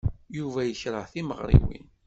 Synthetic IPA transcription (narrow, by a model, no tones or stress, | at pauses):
juvæjəçɾˤəʕθiməʁɾˤḭwḭn